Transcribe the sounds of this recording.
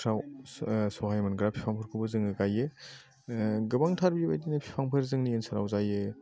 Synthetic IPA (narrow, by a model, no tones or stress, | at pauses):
kʰɾawsoɦajmɐnɡɾapʰi̥pʰaŋpʰɯɾkʰubɐzɯŋɯɡaje | ɡɯbaŋtʰaɾbibajtinɐpʰi̥pʰaŋpʰɯɾzɯŋniensɐɾa̰wzaje